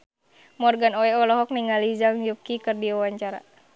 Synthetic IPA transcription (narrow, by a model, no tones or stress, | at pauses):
mɔrɡanɔɛɔlɔɦɔk̚niŋalizaŋjup̚kikɨrdiawaɲt͡ʃaɾa̰